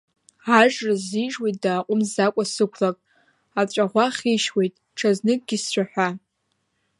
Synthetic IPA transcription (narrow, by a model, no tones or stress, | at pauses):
aʒʼraziʐwejt̚ʼdaːqʷʼʊmzakʷʼasɨkʷʰlakʼ | at͡ɕʷʼaʁʷaχʲiʃwe̞jtʼ | ʈ͡ʂʰaznɨkʼɡʲɪst͡ɕʷaħʷᶣa